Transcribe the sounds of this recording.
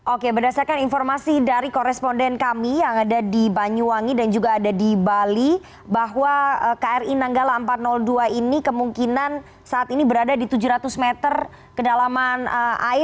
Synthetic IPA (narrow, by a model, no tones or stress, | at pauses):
ʔokebərdasarkaninfɔrmasidaɾikoɾɛspondɛnkamijaŋadadibaɲuwaŋidand͡ʒuɡaːdadibali | baɦwaəkaɛrinaŋɡalaəmpat̪̚nɔlduainikəmuŋkinan | saːt̪inibəɾadadit̪ud͡ʒuɾat̪ʊsmɛt̪ər | kədalamanəʔa̰ɪ